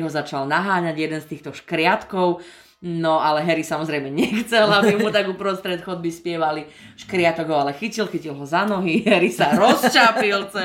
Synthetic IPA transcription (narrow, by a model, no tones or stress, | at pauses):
ɦɔzat͡ʃalnaɦaːɲaɟjɛd̪ɛnst̪iːxt̪ɔʃkɾɪat̪kɔʊ | nɔalɛɦɛɾisamɔzɾɛjmɛɲɛxt͡sɛlabimut̪aɡupɾɔst̪ɾɛt̪xɔd̪̚bispɪɛʋali | ʃkɾɪat̪ɔɡɦɔalɛxicilxicilˠɦɔzanɔɦiɦɛɾisaɾɔst͡ʃapilt͡sɛ